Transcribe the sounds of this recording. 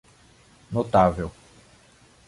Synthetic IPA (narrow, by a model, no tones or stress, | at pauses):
not̪avew